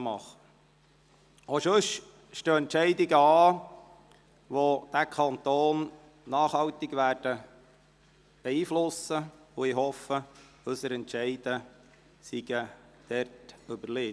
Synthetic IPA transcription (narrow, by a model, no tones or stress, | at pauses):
mɑχə | oʃɵʃ | ʃtøːɛntt͡ʃɛɪdɪɡəɑː | ʋod̥ækʰɑnt̪oːnː | ɑːχhɑwt̪ɪɡʋæːrd̥ə | b̥ɛiːflʊsəʊɪɦɔfə | ʉsəɾɛntʃɛɪd̥ə | siɡ̥əd̥ɛrtøbəleː